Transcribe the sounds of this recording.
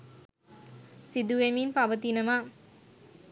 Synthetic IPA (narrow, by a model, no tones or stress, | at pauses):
sid̪uʋemiːnpaʋət̪inəmaː